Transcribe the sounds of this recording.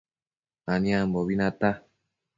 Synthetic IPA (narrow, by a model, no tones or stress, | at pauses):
anĩãmboβinãt̪a